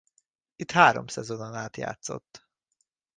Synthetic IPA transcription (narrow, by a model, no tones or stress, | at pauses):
it̪haːɾomsɛzo̞nonaːt̪ja̰ːt̪so̞̰t̪ː